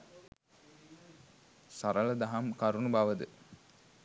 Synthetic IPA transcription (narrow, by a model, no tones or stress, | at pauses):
saɾələd̪aɦamkaɾunubaʋəd̪ə